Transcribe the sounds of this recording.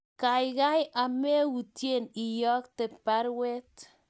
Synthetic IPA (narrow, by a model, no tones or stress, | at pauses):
kajɣajamewutjenijɔk̚t̪epaɾwet̪